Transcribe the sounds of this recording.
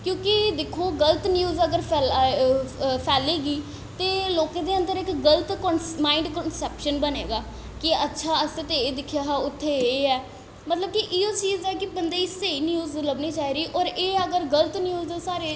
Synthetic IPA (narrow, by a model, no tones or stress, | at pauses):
kjõːkɪd̪eːkʰoːɡəlt̪njuːzəɡəɾpʰɛːl | pʰɛːleːɡiː | t̪eːloːkẽːd̪eːə̃nd̪əɾɪkɡələt̪kənmaːĩɳɖkənsɛːpʃənbəneːɡaː | kɪətːʃʰaːəset̪eeːd̪ɪkʰːjaːɦaːʊt̪ʰːeːeːɛː | mət̪ləb̚kɪʔioːt͡ʃiːzɛːkɪbənd̪eːɪseːiːnjuːzləbniːt͡ʃaːiːɾiːʔɔːɾeːəɡəɾɡəlt̪njuːzd̪eːsaːɾeː